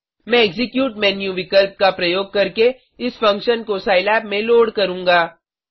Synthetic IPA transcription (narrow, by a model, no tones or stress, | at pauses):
mɛ̃ɛɡzɪkjuːʈmɛːnjuʋɪkəlp̚kapɾɐjoːɡ̚kɐɾke | ɪsfɐ̃ŋkʃənkosaːɪlɛːpmẽloːɽkɐɾũːŋɡaː